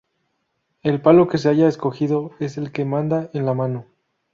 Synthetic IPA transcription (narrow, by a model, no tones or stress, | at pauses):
e̞lpalo̞ke̞s̬e̞aʝaesko̞xiðo̞e̞se̞lke̞mãnd̪aenlamãno